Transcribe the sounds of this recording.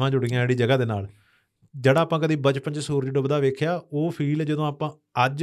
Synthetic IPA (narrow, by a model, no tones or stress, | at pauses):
ʋãːd͡ʒʊɽɪjãːeːɽiːd͡ʒəɡaːd̪eːnaːl | d͡ʒeːɽaːpãːkəd̪iːbət͡ʃpənd͡ʒsuːɾd͡ʒɖəbd̪aːʋeːkʰjaːoːpʰiːld͡ʒəd̪õːaːpãː | əd͡ʒ